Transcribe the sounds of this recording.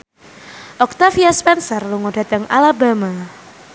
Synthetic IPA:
ʔɔk̚t̪afiaspɛnsɔrluŋoda̤t̪aŋa̰labama

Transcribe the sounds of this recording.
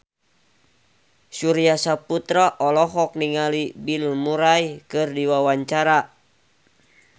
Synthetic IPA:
suɾiasaput̪ɾaʔɔlɔɦɔk̚niŋalibilmuɾajkɨrdiwawaɲt͡ʃaɾa

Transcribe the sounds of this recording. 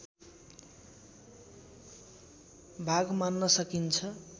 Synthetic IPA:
bʱaɡmanːʌsʌkint͡sʰʌ

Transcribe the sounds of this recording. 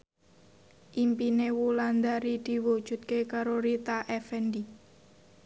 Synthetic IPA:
ʔimpinewuland̪aɾid̪̥i̤wud̥ʒ̥ṳt̪̚kekaɾoɾit̪aʔɛfɛnd̪i

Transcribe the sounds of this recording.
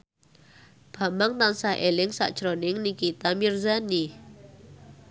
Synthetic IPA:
b̥a̤maŋt̪ansaɦʔelɪŋsa̰ʔd̥ʒ̥ɾonɪŋnikit̪amirzani

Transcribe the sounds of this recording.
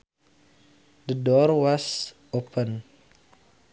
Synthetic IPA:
d̪ədɔrwas | opʰən

